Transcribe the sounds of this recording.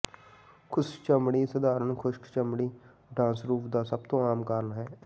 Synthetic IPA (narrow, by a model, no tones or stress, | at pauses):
kʰʊst͡ʃəmɽiːsəd̪aːɾənkʰʊʃkt͡ʃəmɽiː | ɖãːsɾuːpd̪aːsəb̚t̪õːaːmkəɾnɦɛː